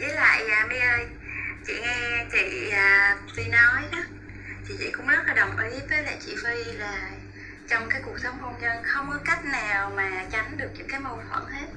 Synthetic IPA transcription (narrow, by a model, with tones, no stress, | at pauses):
zi˨˦la̰ː˧˨jaː˨˩mi˧ʔəː˧j | t͡ɕḭ˧˨ŋɛ˧t͡ɕḭ˧˨aː˨˩t̪i˧nɔ˨˦jɗə˨˦ | t͡ɕḭ˧˨t͡ɕḭ˧˨kʊ̰˧˥ŋ͡mzə˦˥t̚laː˨˩ɗə˨˩wŋ͡mʔi˨˦vəː˨˦la̰˧˨t͡ɕḭ˧˨fi˧laː˨˩ | t͡ɕɔ˧wŋ͡mkaː˨˦jku˨˩ək̚sə˨˦wŋ͡mho˧nɲə˧nxə˧wŋ͡mkɔ˨˦ka˦˥jk̟̚naː˨˩wmaː˨˩t͡ɕa˨˦ŋɗɨ˨˩ək̚ɲɨ˧˦˥kaː˨˦jmo˨˩t̪ʰwə̰˧˩˨nhe˦˥t̚